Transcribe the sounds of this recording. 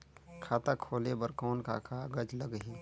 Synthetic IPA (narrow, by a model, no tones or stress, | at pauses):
kʰaːt̪akʰoːlebəɾkɔːnka̰ːkʰaɡəd͡ʒləɡɦiː